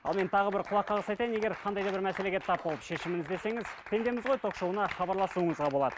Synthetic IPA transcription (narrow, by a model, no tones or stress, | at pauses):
ɑlˠme̞nt̪ʰɑʁəbɪɾqʰʊlˠɑqːɑʁəsɑjt̪ɑjɪnee̞ɾqʰɑnd̪ɑjd̪ɑbɪɾmæseleɡʲet̪ʰɑp̚bolˠəpʃe̞ʃɪmɪnɪzd̪e̞se̞ŋɪzt̪ʰe̞nd̪e̞mɪzʁo̞jt̪ʰo̞qʃowənɑχɑbɑɾlˠɑsuəɴəzʁɑbo̞lˠɑ̰d̪ə